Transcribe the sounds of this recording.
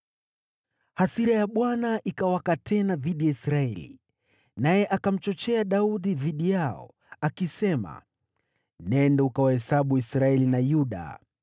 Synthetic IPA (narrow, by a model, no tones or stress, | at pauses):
hasiɾajaɓwanaʔikawakatɛnaðiɗijaisɾaɛlḭ | najɛʔakam̩t͡ʃɔt͡ʃɛaɗauɗiðiɗijaɔ̰ | akisɛma̰ | nɛndɛukawahɛsaɓuisɾaɛlinajuɗa̰